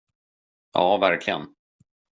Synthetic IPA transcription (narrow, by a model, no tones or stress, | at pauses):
jɑ̰ːvæɾkʰlɪɡə̰n